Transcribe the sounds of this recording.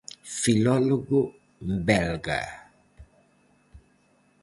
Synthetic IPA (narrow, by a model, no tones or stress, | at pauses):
filɔlɔɡo | mbɛlɡa̰